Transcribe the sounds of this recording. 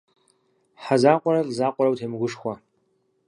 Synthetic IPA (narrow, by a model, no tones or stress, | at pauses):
ħazaːqʷʼɔɾɐlʼzaːqʷʼɔɾɐwtʰeːmɨɡʷʊʂxʷɐ